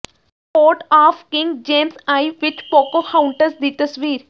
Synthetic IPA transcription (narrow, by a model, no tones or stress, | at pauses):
poːʈaːfkɪ̃ŋɡd͡ʒeːmsaːiʋɪt͡ʃpoːkoxãʊ̃ɳʈəɾsd̪it̪əsʋiːɾ